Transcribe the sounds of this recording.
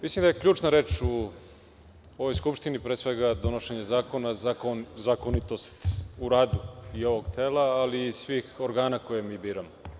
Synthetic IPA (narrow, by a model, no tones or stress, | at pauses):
mislimd̪ajekʎuːt͡ʃnaɾeːt͡ʃu | oʋojskupʃt̪inipɾesʋeɡad̪onoʃeɲezaːko̞nazakozakonit̪o̞st̪uɾaːd̪uio̞ʋoɡt̪ʰeːlaːliːsʋiːxo̞ɾɡaːnakojemiːbiːɾamo